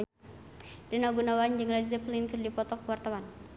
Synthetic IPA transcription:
dinaɡunawand͡ʒɨŋlalizɛplinkərdipɔt̪ɔkwart̪awan

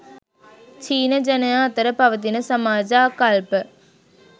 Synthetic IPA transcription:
t͡ʃiːnɐd͡ʒɐnɐjaːt̪ɐɾɐpɐʋɐt̪̬ɪnɐsɐmaːd͡ʒaːkalpɐ

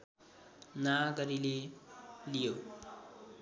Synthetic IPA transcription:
naɡʌɾile | lijo

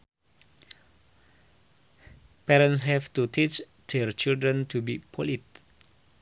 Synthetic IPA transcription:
pɛɾə̃nshɛftutʰit͡ʃ | dɛɹt͡ʃildɹə̃ntʰubipʰɔlit̚

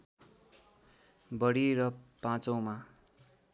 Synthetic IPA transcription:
bʌɽiɾʌpãt͡sʌw̃ma

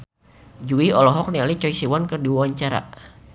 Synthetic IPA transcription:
d͡ʒuiɔlɔɦɔk̚nialit͡ʃɔisiwankərdiwawaɲt͡ʃaɾa̰

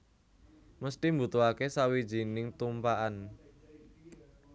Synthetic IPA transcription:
məst̪imbut̪uakesawid̥ʒ̥i̤nɪŋt̪umpaʔan

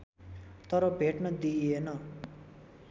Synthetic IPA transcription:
t̪ʌɾʌbʱeʈnʌd̪ienʌ

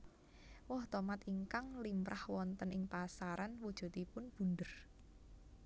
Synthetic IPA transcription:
wɔht̪ɔmat̪iŋkaŋlimpɾʔahwɔnt̪ənɪŋpasaɾanwud̥ʒ̥ṳt̪ipʊnb̥ṳnd̪ər

